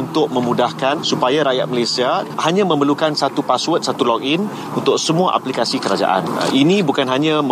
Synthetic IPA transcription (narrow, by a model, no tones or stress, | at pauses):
nt̪ʊk̚mə̃mũdahkansupajaɾajat̪̚məlesiahaɲãmə̃məlukansat̪upaswət̪̚sat̪ulɔk̚in | unt̪ʊk̚səmũaʔa̰plikasikəɾad͡ʒa̰ʔa̰n̰ʔinĩbukanɦaɲãm